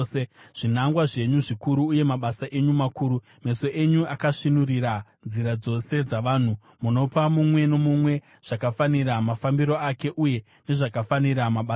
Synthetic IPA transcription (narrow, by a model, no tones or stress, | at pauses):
eʐ̥in̤aŋɡwaʐe̞ɲuʐikuɾuːje̞maɓasaʔe̞ɲumakuːɾu | me̞so̞ʔeɲuakaʂinuriɾanziɾad͡zo̞se̞d͡zaʋaːn̤u | muno̞pamumwe̞no̞mumwe̞ | ʐ̥akafaniɾamafambiɾo̞ake̞ʔuje̞ | ne̞ʐakafaniɾamaɓa